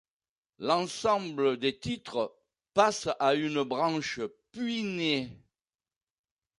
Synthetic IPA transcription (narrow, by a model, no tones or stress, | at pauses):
lɑ̃sɑ̃bləd̪et̪it̪χə | pasaynəbʁɑ̃ʃəpɥine